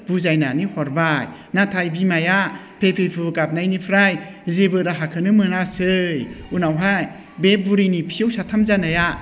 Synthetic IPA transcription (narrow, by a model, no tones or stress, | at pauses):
b̥uzajnanihɔɾbaj | natʰajbimaja | pʰepʰepʰɯkap̚najnipʰɾajzebɯɾaɦakʰɯnɯmɯnasɯjunawɦaj | bep̚buɾinipʰijɯwsatʰamzanaja